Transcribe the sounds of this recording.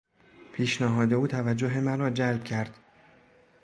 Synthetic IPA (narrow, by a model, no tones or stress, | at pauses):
pʰiːʃnæɦɒːd̪e̞uːt̪ʰævæd͡ʒːoɦe̞mæɾɒːd͡ʒælb̥̚cʰæɾd̪̥